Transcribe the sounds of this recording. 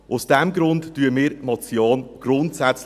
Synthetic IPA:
ʔʊsd̥ɛmɡɾʊntːyəmiːɾmɔt͡sjoːnɡ̥ɾʊntsɛt͡s

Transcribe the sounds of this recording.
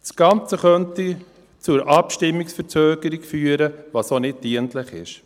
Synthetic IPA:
sɡ̥ɑnt͡səχœnti | t͡sʊɾʔɑpʃtɪmːiksfəɾt͡søːɡ̥əɾiɡfyːəɾəʋɑsonɪd̚d̥iəntləχɪ̰ʃ

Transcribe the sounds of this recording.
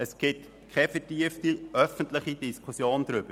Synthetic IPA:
əsɡ̥ɪt | kʰɛfɛtiəftiʔœfəntlɪχid̥iskʰusjoːndɾʏb̥ə

